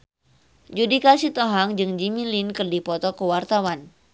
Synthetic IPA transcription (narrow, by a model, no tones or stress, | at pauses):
d͡ʒudikasit̪ɔɦaŋd͡ʒɨŋd͡ʒimilinkɨrdipɔt̪ɔkəwart̪awan